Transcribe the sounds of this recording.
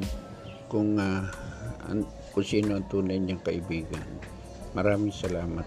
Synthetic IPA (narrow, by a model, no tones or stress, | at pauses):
kʊŋa | a̰n | kʊnsiːnoʔɐnt̪uːnajɲaŋkɐʔɪbiːɡa̰n | mɐɾaːmɪŋsɐlaːmat̪